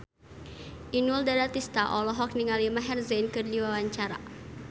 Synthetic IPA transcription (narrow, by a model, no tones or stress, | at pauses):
ʔinuldadat̪ist̪aʔɔlɔɦɔk̚niŋalimaɦɛrzɛnkɨrdiwawaɲt͡ʃaɾa̰